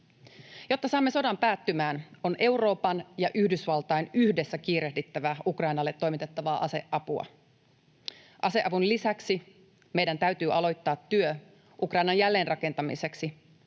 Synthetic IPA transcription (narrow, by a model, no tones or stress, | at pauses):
jo̞t̪ːɑsɑːmːeso̞dɑmpæːt̪ːymæːno̞nʔe̞wro̞ːpɑnjɑʔyhdysʋɑlt̪ɑjnyhde̞sːækiːɾehdit̪ːæʋæukrɑjnɑlːe̞t̪ːo̞jmit̪e̞t̪ːɑʋɑːʔɑse̞ʔɑpuɑ̰ | ʔɑse̞ʔɑʋunlisæksi | me̞jdænt̪æyt̪yːʔɑlo̞jt̪ːɑːt̪ːyø | ʔukrɑjnɑnjælːe̞ːnrɑke̞nt̪ɑmḭse̞ksi